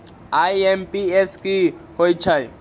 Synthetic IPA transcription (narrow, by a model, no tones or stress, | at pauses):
ajɛmpiɛskihoit͡ʃʰaj